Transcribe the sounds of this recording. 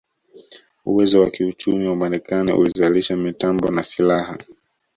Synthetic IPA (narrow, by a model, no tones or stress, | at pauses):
uwɛzɔwakiut͡ʃumiwamanikanḭʔṵlizaliʃamitambɔnasilaha̰